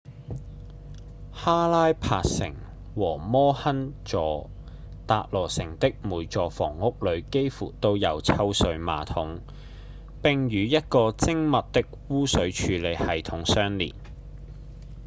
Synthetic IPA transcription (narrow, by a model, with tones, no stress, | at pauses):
haː˥laː˥jpʰaː˧k̚sɪ̰˨˩ŋ | wɔː˨˩mɔː˥hɐ˥nt͡ʃɔː˨˧ | t̪aː˧˨t̚lɔː˨˩sɪ˨˩ŋt̪ɪ˥k̚muː˨˩jt͡ʃɔː˨fɔ̰ː˨˩ŋːʊ˥k̚lɵ˨˧ɥke˥jfṵː˨˩t̪o˧wjɐ˨wt͡sʰɐ˧wsɵ˨˧ɥma̰ː˨t̪ʰʊ˨˥ŋ | pɪ˨ŋjyː˨˧jɐ˥t̚kɔː˧t͡sɪ˥ŋmɐ˨t̚t̪ɪ˥k̚wuː˥sɵ˨˥ɥt͡ʃʰyː˨˧le˨˧jhɐ˨jt̪ʰʊ˨˥ŋsœː˥ŋlḭː˨˩t̚